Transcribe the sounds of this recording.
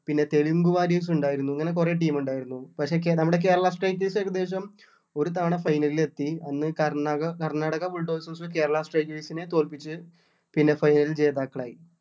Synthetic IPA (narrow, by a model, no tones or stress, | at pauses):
pinːe̞t̪e̞ɭiŋɡuʋaːɾiːs̬uɳɖaːjiɾunːuɐŋːɐne̞kure̞ːʈ̬iːmuɳɖaːjiɾunːupɐkʂe̞ːkenɐmːuɽe̞k̬e̞ːɾɐɭasʈrɐjkːeːsekːɐd̪eːɕ̬ɐm | o̞ɾut̪aːɳɐfɐjnɐlile̞t̪ːiɐnːɨkɐraɣɐkɐrnaːɽɐɣɐbuɭɖoːʋsɐːsɐke̞ːɾɐɭasʈrɐjkleːsine̞t̪oːlpit͡ɕːɨ | pinːe̞fɐjnɐlilt͡ɕe̞ːðaːkːɐɭaːji